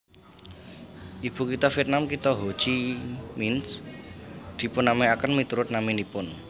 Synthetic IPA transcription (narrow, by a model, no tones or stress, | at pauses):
ʔib̥ṳkit̪ɔfiɛt̪̚namkit̪ɔɦo̥t͡ʃimins | d̪̥i̤pʊnːameakənmit̪uɾʊt̪̚naminipʊn